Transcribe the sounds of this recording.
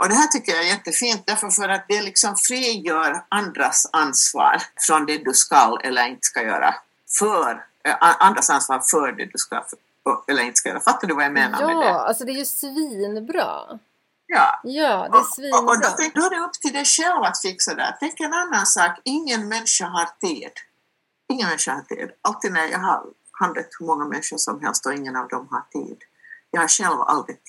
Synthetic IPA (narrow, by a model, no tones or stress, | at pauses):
ʔɔd̪ɛɦæːʈʏkːəjaɛjɛt̪ːəfiːnt̪̚d̪æɾfəɾfœɾat̪̚d̪ɛlɪksɔmfɾiːjøːɾand̪ɾasansvɑ̰ːɾfɾɔnd̪ɛd̪ɵskalɛ̰lːəɾɪnt̪ə̥skajø̰ːɾa̰ | fœɾ | ʔʔand̪ɾasansvɑːɾfœɾɖɛ̰d̪ʉska̰ | ɛlːəɾɪnt̪əskajø̰ːɾafat̪ːadɵvajameːna̰mmɛa̰lsɔd̪ɛæjɵsviːnbɾɑ̰ː | jɑːjɑːdɔɛɔɔd̪ɔt̪ɛŋd̪ɔd̪ɛɵpːt̪ʰɪld̪ɛjʂɛlvat̪fɪkːsad̪æ̰ːɾt̪ʰɛŋkːɛnanːansɑːkɪŋːənmɛnʂaɦaɾt̪ʰiːd̪̥ | ɪŋːənmɛnʂahat̪ʰḭːd̪alt̪ːiːd̪næɾjɑ̰ːɡɦa̰ɾ | hand̪ət̪hɵmɔŋːamɛ̰nʂəʂɔmɦɛ̰lst̪ɔɪŋːənɑvd̪ɔmɦaɾt̪ʰḭːd̪ | jɑːhaɾʂɛlva̰ld̪ɾɪ